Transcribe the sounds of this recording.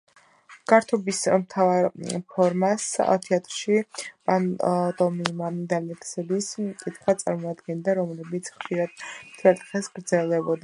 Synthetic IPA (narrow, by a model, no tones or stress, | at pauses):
ɡ̥aɾt̪ʰɔbismt̪ʰavaɾpʰɔɾmasa̰t̪ʰiat̪ʼɾʃipʼant̪ʼɔmimad̪alɛksɛliskʼit̪ʰχwat̪sʼaɾmɔad̪ɡɛnd̪aɾɔmlɛbit̪sʰχʃiɾad̪̥̚mt̪ʰɛɾt̪ʼχɛsɡ̥ɾd̪zɛlˠd̪ɛbɔd̪a